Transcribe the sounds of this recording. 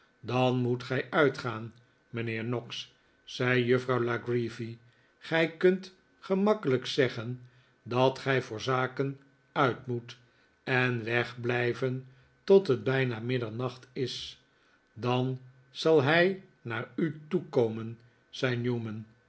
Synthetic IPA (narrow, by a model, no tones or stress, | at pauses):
dɑnmutχɛjœɥtχaːn | mənɪːɹnɔksː | ɛjjɵfrɑwlaɡrifi | χɛjkɵnt | χəmɑkələksɛχən | dɑtχɛjvʊːɹzaːkən | œɥtmut | ɛnʋɛχblɛjvən | tɔtɦəd̚bɛjnaːmɪdəɹnɑχtɪs | dɑn | z̥ɑlˠɦɛj | naːɹytukowmən | z̥ɛjnjuːmən